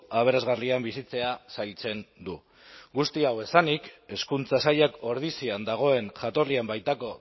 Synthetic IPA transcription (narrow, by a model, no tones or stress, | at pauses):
aβ̞e̞ɾazɣariambisit͡se̞asajlt͡se̞nd̪u | ɡust̪iawe̞sanike̞skunt͡sasaʎako̞ɾð̞isiand̪aɣ̞o̞e̞nʝat̪o̞riambajt̪ako̞